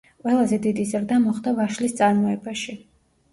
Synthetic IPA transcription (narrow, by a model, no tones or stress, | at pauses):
qʼwɛlˠazɛd̪id̪izɾd̪amɔχd̪avaʃlist̪sʼaɾmɔɛbaʃi